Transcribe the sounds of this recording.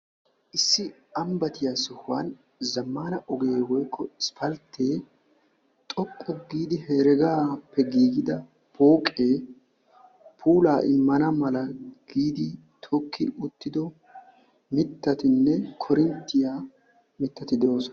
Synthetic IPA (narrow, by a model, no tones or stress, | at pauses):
ʔɪsːɪ | ɐmbɐt̪ɪjaːsʊhwaːn | zɐmːaːnɐʔɔɡe̞ːwɔjkːɔɪspʰɐlt̪ʰːeː | t̪ʼɔkʼːɔɡiːd̪ɪheːɾɛɡaːpːɛɡiːɡɪd̪ɐ | pʰoːkʼe̞ː | pʰuːlaːʔɪmːɐnɐmɐlɐɡ̥iːd̪ɪ | t̪ʰɔkʰːɪʊt̪ːɪd̪ɔ | mɪt̪ːɐt̪ɪnːɛkʰɔɾɪnt̪ːɪjaː | mɪt̪ːɐt̪ɪd̪ɛʔoːsɔ